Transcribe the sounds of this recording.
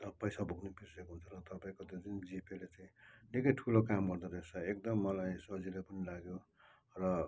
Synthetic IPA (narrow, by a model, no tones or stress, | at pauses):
t̪ʌpʌjsabʱuɡnepisekoɦunt͡sʰʌrʌt̪ʌpaĩkod̪et͡sʌnd͡zipelet͡saĩlekʌjʈʰulokamɡʌrd̪ʌɾet͡sʰʌek̚d̪ʌmːʌlajsʌd͡zilepʌnilaɡjo | rʌ